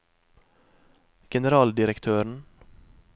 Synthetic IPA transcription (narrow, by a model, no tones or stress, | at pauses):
ɡ̥ɛnəɾɑːld̪ɪɾəkt̪ʰøːɾɳ̩